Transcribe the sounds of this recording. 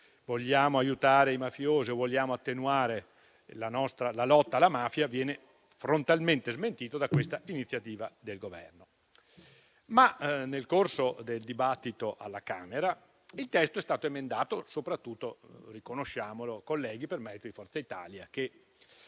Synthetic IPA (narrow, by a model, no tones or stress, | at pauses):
voʎːaːmoajut̪aːɾeimafjoːziovoʎːaːmoat̪ːenuaːɾe | lanɔst̪ɾalalɔt̪ːaːlːamaːfjavjɛːne | fɾont̪alment̪ezment̪iːt̪od̪akwest̪ainit̪sːjat̪iːvad̪elɡovɛ̰rno | manelkorsod̪eld̪ibat̪ːit̪oʔa̰lːakaːmeɾa | ilt̪ɛst̪oɛst̪aːt̪oemend̪aːt̪osopɾat̪ːut̪ːorikonoʃːaːmolokolːɛːɡ̟ipermɛɾit̪od̪ifɔrt̪sait̪a̰ːljake